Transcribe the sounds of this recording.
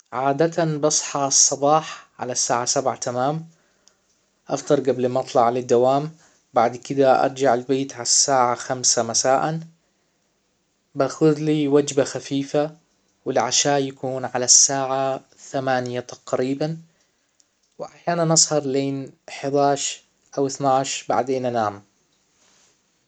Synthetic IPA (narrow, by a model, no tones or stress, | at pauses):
ʕaːd̪at̪anbɑsˤħɑsˤːɑbɑːħʕa̰lasːaːʕasabʕat̪ʰamaːm | ʔɑ̰ft̪ˤɑɾˤɡablɪmɑt̪ˤlɑʕlɪd̪ːawaːm | baʕd̪kɪd̪aʔɑ̰ɾˤd͡ʒaʕalbeːt̪ʕalasːaːʕaxamsamasaːʔan | baxʊðliwad͡ʒbaxafiːfa | wɪlʕaʃaːʔjakuːnʕalasːaːʕa | θamaːnjat̪ḁqɾiːban | wɪʔaħjaːnanʔɑsˤhɑɾˤleːnħɪd̪aːʃ | ʔawɪθnaʕʃba̰ʕd̪eːnʔanaːm